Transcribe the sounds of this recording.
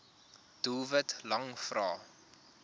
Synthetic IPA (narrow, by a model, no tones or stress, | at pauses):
d̥uːvətlɐŋfrɑː